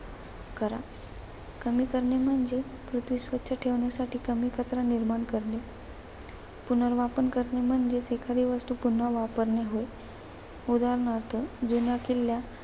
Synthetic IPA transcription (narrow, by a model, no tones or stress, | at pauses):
kəɾa̰ | kəmiːkəɾɳem̤əɳd͡zepɾut̪ʰʋisʋətːɕʰaʈʰeʋɳjasaʈiːkəmiːkʰət͡sɾaniɾmaɳkəɾle | pun̤əɾʋapəɳkəɾnem̤əɳd͡zet̪ekʰaɾiːʋəst̪uːpun̤aʋapəɾɳeɦoj | ud̪aɾəɳəɾt̪ʰəd͡zunjakilːja